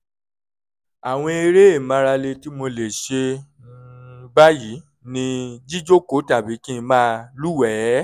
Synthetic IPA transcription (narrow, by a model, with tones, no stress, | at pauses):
a˨w̃ɔ̃˧e˧ɾe˦e˦˨mã˧ɾa˧le˧ti˦mo˧le˨ʃe˧ | ba˦ji˨˦ | nĩ˧d͡ʒi˦d͡ʒo˦ko˦ta˦˨bi˨˦kĩ˦˧mã˦lu˦wɛ˨˦